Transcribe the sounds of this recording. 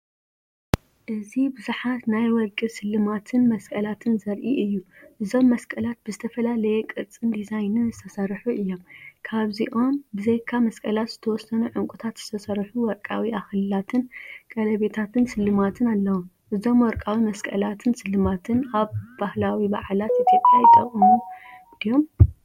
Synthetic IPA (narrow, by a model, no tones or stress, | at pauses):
ʔɨzibɨzuħat̪najwɔlkʼisɨlːɨmat̪ʰɨnmɐskʼɐlat̪ʰɨnzɐɾʔiʔɨjːuʔɨzo̞mːɐskʼɐlat̪̚bɨzɨt̪ʰɐfɐlalɐjɛkʼɨt͡sʼːɨnd̪izajnɨnzɨt̪ʰɐsɐɾħuʔɨjːo̞mkʰaβziʔo̞mbɨzejkʰamɐskʼɐlat̪z̥ɨt̪ʰɐwɔsɐnuʕɨŋkʼut̪ʰat̪z̥ɨt̪ʰɐsɐɾħuwɔɾkʼːawiʔaxlɨlat̪ʰɨnkʼɐlɐβe̞t̪ʰat̪ʰɨnsɨlːɨmat̪ʰɨnalːɐwom | ʔɨzo̞mwɔɾkʼawimɐskʼɐ̰lat̪ʰɨnsɨlːɨmat̪ʰɨnaβbahlawiba̰ʕlat̪ʔet̪ʰjo̞pʼjajit̪ʰʼɐχʼmund̪ijo̞m